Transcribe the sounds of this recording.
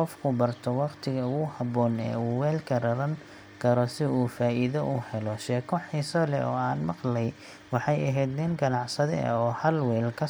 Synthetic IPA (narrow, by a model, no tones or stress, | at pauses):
ɔfkʰʊbɐrt̪ʰɔwɑqt̪ʰɪɣɐʊɣʊhɑβɔːnɛ̰ːuːwɛːlkʰɐrɐβɐŋ | kʰɐɾɔsɪuːfaːʔiðɐʔuhɛlɔʃɛːkʰɔħisɐlɛ̰ɔ̰ːaːnmɑqlɛj | wɑħɑjɐɦɛjd̪nɪnɡɐnɑʕsɐðɛ̰ɐ̰ɔːhɐlwɛːlkʰɐ